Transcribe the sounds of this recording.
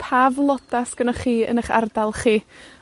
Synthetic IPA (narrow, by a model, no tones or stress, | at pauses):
pʰaːvlˠɔdasɡ̥ənaχiːə̰nəχa̰rdalˠχiː